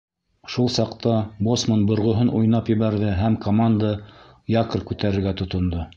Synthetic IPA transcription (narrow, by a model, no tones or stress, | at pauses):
ʃulˠsɑqt̪ɑbosmonbŏɾʁŏɦɤnujnɑpjɘ̆βæɾðɘɦæmkʰomand̪ə | jɑkɤrkʉt̪æɾɘ̆ɾɡæt̪ŏt̪ŏnd̪o